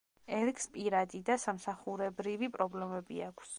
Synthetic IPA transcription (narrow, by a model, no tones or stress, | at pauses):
ɛɾɡspʼiɾad̪id̪asamsaχuɾɛbɾivipʼɾɔblɛmɛbiakʰs